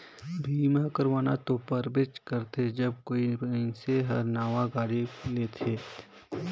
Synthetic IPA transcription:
bʱiːmakəɾʋaːna̰t̪opəɾbɪt͡ʃkəɾt̪ʰed͡ʒɐb̚koːiɪ̃seɦɐɾnaːʋaɡaːɽileːt̪ʰeː

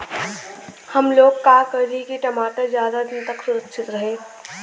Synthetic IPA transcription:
hɐmloːɡ̚kaːkɐɾɾikeʈɐmaːʈəzjaːd̪ad̪ɪnt̪ɐksʊɾəkʃʰɪt̪ɾɐɦẽː

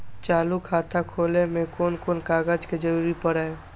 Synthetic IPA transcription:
t͡ʃaːlukʰaːt̪ʰakʰoːlemẽkoːnkoːnkaːɡad͡ʒked͡ʒəɾuːɾipəɽa

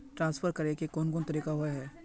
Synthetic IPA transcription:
ʈɾãːnsfʰəɾkɐɾekekɔːnkɔːnt̪ɐɾiːkaɦoaɦɛː

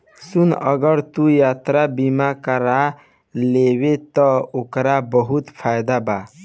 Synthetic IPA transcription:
sunə̰ɡəɾt̪ujat̪ɾabimakəɾa | lewet̪ɔokɾabəɦut̪pʰajd̪aba

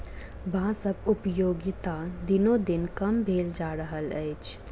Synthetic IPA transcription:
bãsəbʊpjoːɡt̪ad̪ɪnõd̪ɪnkɐmbʱeːld͡ʒaːɾəɦəlɛɪt͡ʃʰ

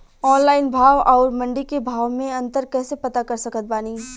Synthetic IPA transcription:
ɔːnlaːɪnbʱaːʋɔːɾmɐ̃ɳɖikebʱaːʋmẽɐ̃nt̪əɾkɛːsepɐt̪akɐɾsɐkət̪̚baːni

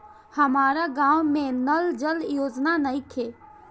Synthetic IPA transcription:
hɐmaːɾaɡãːwmẽnəld͡ʒəljoːd͡ʒnanəĩk̪ʰeː

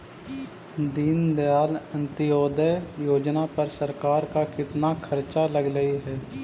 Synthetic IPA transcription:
d̪iːnd̪jaːlə̃nt̪ɪjɔːd̪ɛjoːd͡ʒnapəɾsəɾkaːɾkakɪt̪nakʰəɾt͡ʃaləɡləiɦɛː

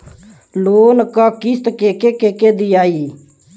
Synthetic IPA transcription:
loːnkakɪst̪kekekeked̪ijaːi

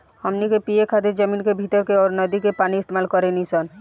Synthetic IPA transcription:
həmnikepijekʰat̪eɾd͡ʒəmiːnkebʱit̪əɾkeɔːɾnəd̪ikepaːniɪst̪emaːlkɔɾenisən

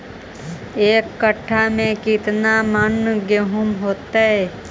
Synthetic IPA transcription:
eːkːəʈʰːamẽkɪt̪namənːɡeɦʊmɦoːt̪aɦɛː

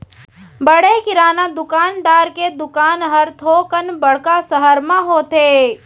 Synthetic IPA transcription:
bəɽekɪɾaːnad̪ʊkaːnd̪aːɾked̪ʊkaːnɦəɾt̪ʰoːkənbəɽkasəɦəɾmãɦoːt̪eː

